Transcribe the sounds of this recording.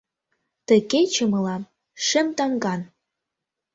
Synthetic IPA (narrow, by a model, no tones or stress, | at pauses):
t̪ə̆ket͡ɕə̆mɤ̆lɑm | ʃɘ̆mt̪ɑŋɡɑn